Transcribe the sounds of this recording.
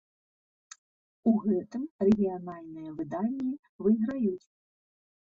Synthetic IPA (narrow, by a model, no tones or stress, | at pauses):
uɣɛt̪ɨmrɛɣʲijanalʲnɨjɐvɨd̪anʲːi | vɨɣɾajut͡sʲ